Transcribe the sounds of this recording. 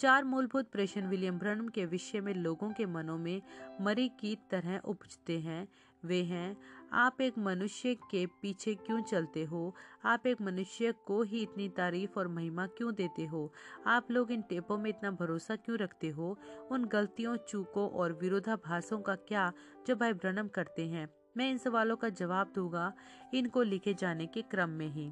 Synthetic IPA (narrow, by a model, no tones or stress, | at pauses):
t͡ʃaːɾmuːlbʱʊt̪̚pɾeːʃənʋɪljəmbʱɾənmkeʋɪʃəmẽloːɡõkemɐnõmẽmɐɾikit̪ɐɾɛɦʔʊpd͡ʒt̪eɦɛ̃ː | ʋeːɦɛ̃aːpeːkmɐnʊʃjəkepiːt͡ʃʰekjõːt͡ʃɐlt̪eɦoːaːpeːkmɐnʊʃjəkoɦiɪt̪nit̪aːɾiːfɔːɾmɐɦɪmakjõd̪eːt̪eɦoːaːploːɡɪnʈẽːpõmẽɪt̪nabʱɐɾoːsakjũɾɐkʰt̪eɦoːʊnɡɐlt̪ijõt͡ʃuːkõʔɔːɾʋɪɾoːd̪ʱabʱaːsõkakjaː | d͡ʒoːbʱaːibɾɐnəmkɐɾt̪eɦɛ̃ː | mɛ̃ːɪnsɐʋaːlõkad͡ʒɐʋaːb̚d̪ũːɡa | ɪnkolɪkʰed͡ʒaːnekekɾəmːẽɦĩː